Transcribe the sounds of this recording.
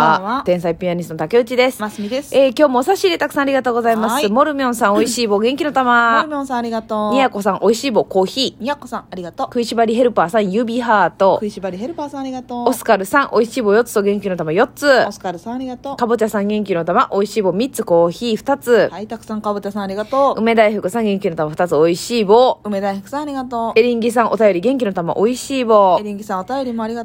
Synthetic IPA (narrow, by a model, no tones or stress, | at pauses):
aat̪ẽ̞ɰ̃saipʲiaɲ̟ʲist̪onot̪ake̞ɯ̟t͡ɕid̪e̞sɨ̥asid̪eseːkʲo̞ːmo̞ːsaɕiːd̪e̞t̪akɯ̥sãːɾiɡat̪o̞ːɡo̞zaimasɨmo̞ɾɯ̟mʲiõ̞sãoiɕiːbo̞ːɡẽ̞ŋkʲino̞t̪amaɾɯmõsãaɾʲiɡat̪oɲ̟ʲiako̞sãŋ̃ʔo̞iɕiːbo̞ːko̞ːçiːɲiakosãaɾʲiɡat̪okɯ̟iɕibaɾʲiɦe̞ɾɯ̟paːsãɰ̃jɯ̟bʲiɦaːt̪o̞ɯɕibaɾʲiheɾɯ̟pasãɾiɡat̪oosɨ̥kaɾɯ̟sãŋ̃ʔo̞iɕiːbo̞jo̞t͡sɨ̥t̪oɡẽ̞ŋkʲino̞t̪amajo̞t͡sɨoskaɾɯsãaɾʲiɡat̪oːkabɯt͡ɕasãŋɡẽ̞ŋkʲino̞t̪amaʔo̞iɕiːbo̞ːmʲitt͡sɨko̞ːçiːɸɯ̟̥t̪at͡sɨhait̪akɯ̥sãŋkabɯt͡ɕasãaɾʲiɡat̪oːɯ̟me̞d̪aiɸɯ̟kɯ̟sãŋɡẽ̞ŋkʲino̞t̪amaɸɯ̟t̪at͡sɨo̞iɕiːboːɯmed̪aihɯ̟kɯ̟̥sãaɾʲiɡat̪oe̞ɾʲĩŋɡʲisãɰ̃ʔo̞t̪ajo̞ɾʲiɡẽ̞ŋkʲino̞t̪ama̰ʔo̞iɕiːboːeɾʲĩŋɡʲisãot̪ajoɾʲimoaɾʲia